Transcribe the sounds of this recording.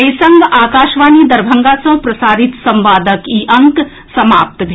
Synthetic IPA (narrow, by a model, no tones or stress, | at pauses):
ɐjsə̃ŋɡaːkaːʃʋaːnid̪ɐɾbʱɐ̃ŋɡaːsɐ̃pɾɐsaːɾɪt̪sɐ̃mʋaːd̪əkiːʔɐ̃ŋk | sɐmaːp̚t̪bʱ